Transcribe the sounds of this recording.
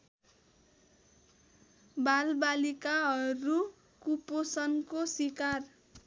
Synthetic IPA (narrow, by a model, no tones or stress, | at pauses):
balbalikaɦʌɾu | kuposʌnkosikar